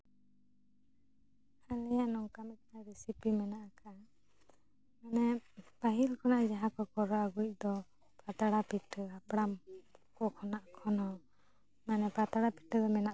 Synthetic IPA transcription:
alɛjanɔŋkamɛt̪̚naɾɛsipimɛnaʔaka | manɛpaɦilkɔnaʔd͡ʒaɦakɔkɔɾɔaɡuc̚ˀd̪ɔ | pɾat̪aɽapiʈəapɽamkɔkʰɔnaʔkʰɔnɔ | manɛpɾat̪aɽapiʈəd̪ɔmɛnaʔ

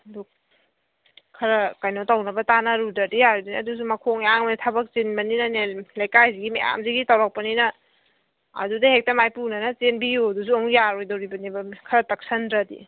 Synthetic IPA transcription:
duk | kʰɐɾɐkajnotawnɐbɐtanaɾudɐdijaɾodinɐdus̬umɐkʰoŋeaŋmɐnitʰɐbɐk̚zinbɐninɐnelajkajziɡimḛja̰mziɡitawɾak̚pɐninɐː | dudɐhek̚tɐmajpunɐnɐt͡ʃenbijudusuoŋjaɾojdɐwɾibɐnibɐkʰɐɾɐtɐk̚sɐndɾɐdḭ

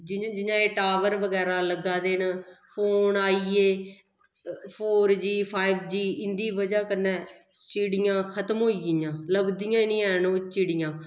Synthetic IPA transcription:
d͡ʒɪ̃d͡ʒɪɲãːeːʈaːʋəɾʋəɡɛːɾãːləɡãːd̪eːnpʰoːnaːiːeː | pʰoːɾd͡ʒiːpʰaːibd͡ʒiːɪnd̪iːʋəd͡ʒaːkənːɛː | t͡ʃɪɽɪjãːkʰət̪mɦoːiɪjãːləbd̪ijãːnĩːɛːnõːt͡ʃɪɽɪjãː

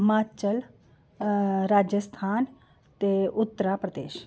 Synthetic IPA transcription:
maːt͡ʃəl | ɾaːd͡ʒjəst̪ʰaːn | t̪eʊt̪ːəɾapɾəd̪eːʃ

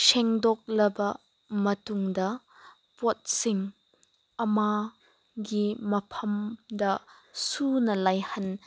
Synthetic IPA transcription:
seŋdɔk̚lɐbɐ | mɐtuŋdɐ | pot̚siŋ | ɐma | ɡimɐpʰɐmdɐsunɐlajhɐn

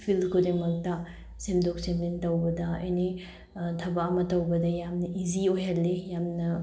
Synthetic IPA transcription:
pʰilkʰodemɐk̚tɐ | semdok̚semlintɐwbɐdɐɐ̰jni | tʰɐbaɐmɐtɐwbɐdɐjamnɐʔiziojɦɐlːejamnɐ

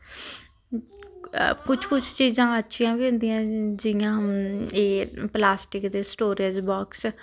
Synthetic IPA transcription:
kʊt͡ʃʰkʊt͡ʃʰt͡ʃiːzãːətːʃʰijãːbiʊ̃nd̪ijãːd͡ʒɪjãːeːplaːsʈɪkd̪eːsʈoːɾed͡ʒbɔːks

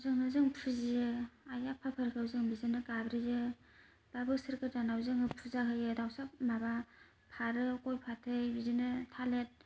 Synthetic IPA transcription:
wzɯŋnɯzɯŋpʰɯzijɯajapʰapʰɯɾkʰɯwzɯŋbizɯnɯkabɾijɯ | b̥abɯsɯɾkʰɯtanawzɯŋɯpʰuzakʰɯjɯdawsap̚maba | pʰaɾɯkojpʰatʰɯjbidɯnɯtʰalet̚

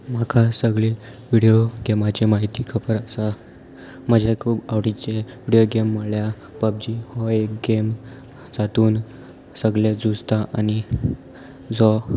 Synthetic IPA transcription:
makʰasəɡɭi | ʋiɽijoɡemat͡ɕemaɦit̪iːkʰəpəɾəsa | məd͡ʑʱakʰuːbaʋɽit͡ɕeʋiɽijoɡemːəɽlja | pəb̚d͡ʑihɔek̚ɡem | d͡zat̪uːn | səɡɭed͡zud͡zt̪aʔañi | d͡zɔ

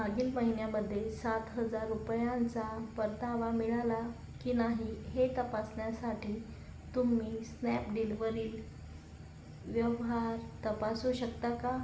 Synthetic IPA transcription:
maɡiːlməɦinjaməd̪ʱːjesat̪ɦəd͡zaɾːupjãnt͡sapəɾt̪aʋamiɭala | kiːnaɦiɦet̪əpasɳjasaʈʰiː | t̪umːiːsnɛpɖiliʋəɾiːl | ʋjəʋɦaɾt̪əpasuɕəkt̪aka

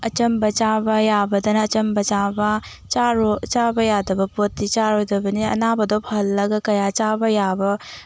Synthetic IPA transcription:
ɐt͡ʃɐmbɐt͡ʃabɐjabɐdɐnɐːt͡ʃɐmbɐt͡ʃabɐ | t͡ʃaɾot͡ʃabɐjadɐbɐpotːit͡ʃaɾojdɐbɐniɐ̰nabɐdopʰɐlːɐɡɐkɐjat͡ʃabɐjabɐ

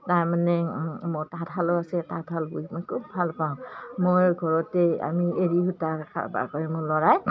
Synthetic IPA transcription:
taɹmanɛmʊtatʰalɔasɛtatʰalbuimɔjkʰubʱalpaʊ̃mojɡʱɔɹɔtɛa̰mieɹihutakʰa̰ba̰kɔɹɛmʊlɔɹaj

